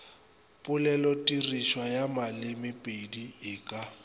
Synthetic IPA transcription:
pʼʊlɛlɔtʼiriʃwajamalɪmɪpʼediɪːkʼa

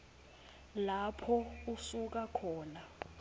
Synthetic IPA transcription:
lapʰɔusuk̬akʰɔːna

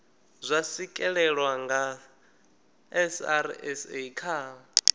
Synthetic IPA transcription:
zʷasikʼɛɺɛɺwaŋɡa | ɛsaɾɛseikʰaː

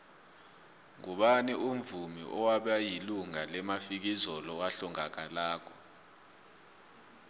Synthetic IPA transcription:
ŋuɓaniʔum̩vumḭʔɔwaɓajiluŋalɛmafik̬izɔlɔwaɬɔŋak̬alaːkʰɔ̥

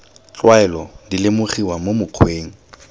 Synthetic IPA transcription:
t͡ɬwaɛlɔdilɪmʊχiwamomʊq͡χʰweːŋ̩

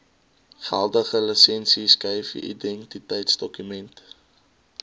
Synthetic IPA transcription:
fæ̰lˠdəχələsɛnsiskəjfḭʔḭdɛntitəjtsdɔkymɛnt

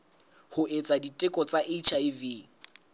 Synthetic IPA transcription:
hʊʔet͡sʼaditʼɪkʼɔt͡sʼaʔet͡ʃʰaiviː

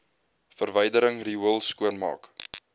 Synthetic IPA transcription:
fərvəjdəɾəŋriəlˠskuənmɑ̰ːk

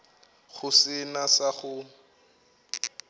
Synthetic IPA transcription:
ɣʊsɪnasaχʊ

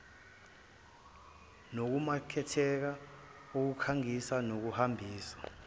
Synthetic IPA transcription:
nok̬umakʰɛtʰɛk̬a | uk̬ukʰaŋisanok̬uhambʱiːsḁ

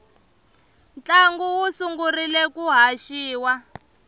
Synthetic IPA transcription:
nt͡ɬaŋɡuwusuŋɡurilɛkuɦaʃiːwa

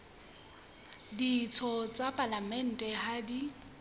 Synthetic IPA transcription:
dit͡sʰɔt͡sʼapʼalamɛn̩tʼɛhadi

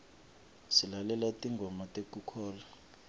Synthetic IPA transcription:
silalɛlatʼiŋɡʱɔmatʼekʼukʰɔːla

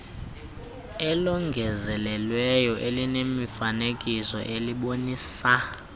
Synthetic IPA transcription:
ɛlɔŋɡʱɛzɛlɛlwɛjɔʔelinemifanekʼisɔ̰ʔeliɓoniːsa

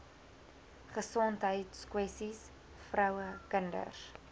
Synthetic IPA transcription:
χəsɔntɦəjtskwɛsis | frœwəkəndə̰r

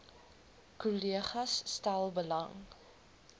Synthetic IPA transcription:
kuliəχɐsːtælˠbəlɐŋ

